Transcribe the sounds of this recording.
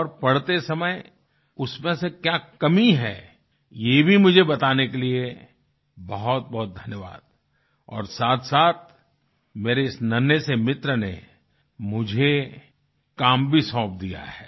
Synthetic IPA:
ɔːɾpɐɽt̪esɐməj | ʊsmẽsekjaːkɐmiɦɛ̰ː | jebʱimʊd͡ʒʱebɐt̪aːnekelie | bɐɦʊt̪̚bɐɦʊt̪̚d̪ʱɐnjəʋa̰ːd̪̚ | ɔ̰ːɾsaːt̪ʰsaːt̪̚ʰ | meːɾeɪsnɐnjəsemɪt̪ɾənḛ | mʊd͡ʒʱe | kaːmbʱisɔ̃ːp̚d̪ija̰ɦɛː

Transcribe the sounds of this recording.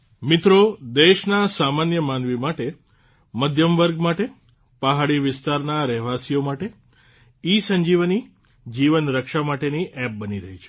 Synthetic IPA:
mɪt̪ɾod̪eʃnasamanjəmanʋimaʈe | məd̪ʱjəmʋəɾɡmaʈe | paɦaɭiʋɪst̪aɾnaɾɛɦʋasijomaʈe | isəɲd͡ʒiʋni | d͡ʒiʋənɾəkʃamaʈeniʔɛp̚bəniɾəɦit͡ʃʰe̥

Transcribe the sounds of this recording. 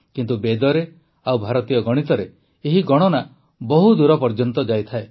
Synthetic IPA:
kint̪ubed̪ɔɾe | awbʱaɾɔt̪ijɔɡɔɽ̃it̪ɔɾeː | ɦiɡɔɽ̃ɔna | bɔɦud̪uɾɔpɔɾd͡ʒɔnt̪ɔd͡ʒajt̪ʰae

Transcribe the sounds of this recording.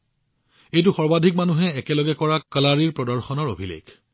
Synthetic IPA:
ejt̬uxɔɹbadʱik̚manuɦɛɛkɛlɔɡɛkɔɹakəlaɹiɹpɹɔdɔɹxɔnɔɹo̰bʱilḛɡ

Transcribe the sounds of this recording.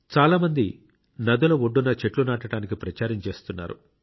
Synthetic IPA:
t͡ʃaːlaːmɐnd̪i | nɐd̪ulɐoɖːunɐt͡ʃe̞ʈlunaːʈɐɽaːnikipɾɐt͡ʃaːɾɐmt͡ʃe̞ːst̪unːa̰ːɾṵ

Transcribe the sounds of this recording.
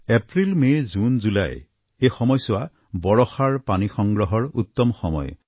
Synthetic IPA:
epɹilmejzunzula̰j | ejxɔmɔjsʊa | bɔɹɔxaɹpanixɔŋɡɹɔɦɔɹut̪ːɔmxɔmɔ̰j

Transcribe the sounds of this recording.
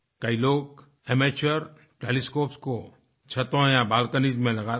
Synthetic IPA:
kəiloːk | emeːt͡ʃəɾ | ʈeːliskoːpsko | t͡ʃʰɐt̪õjabaːlkənid͡ʒmẽlɐɡa

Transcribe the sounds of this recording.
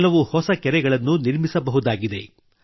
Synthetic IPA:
lɐʋuhɔsɐkɛɾɛɡɐɭɐnːuniɾmisɐbɐɦud̪aːɡid̪e̞

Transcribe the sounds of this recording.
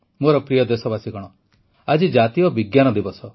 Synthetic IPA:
moɾɔpɾijɔd̪esɔbasiɡɔɽ̃ɔ | ad͡ʒid͡ʒat̪iɔbiɡjanɔd̪ibɔsʰɔ

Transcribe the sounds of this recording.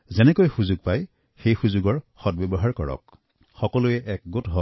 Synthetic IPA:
zɛnɛkojxuzuɡ̚paj | xejxuzuɡɔɹxɔt̚bebɔɦaɹkɔɹɔ̰k̚ | xɔkɔlujɛʔɛk̚ɡotɦɔ

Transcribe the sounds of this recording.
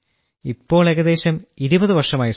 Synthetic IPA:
ipːo̞ːɭe̞ɣɐðe̞ːɕɐmiɾubɐðɨʋɐrʂɐmaːjɐs

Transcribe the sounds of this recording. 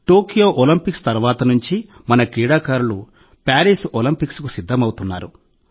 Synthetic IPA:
ʈoːkijo̞ːʔolimpikst̪ɐɾuʋaːt̪ɐnuɲt͡ʃimɐnɐkɾiːɽaːkaːɾulu | paːɾiːsolimpikskusid̪ʱːɐmɐwut̪unːaːɾu

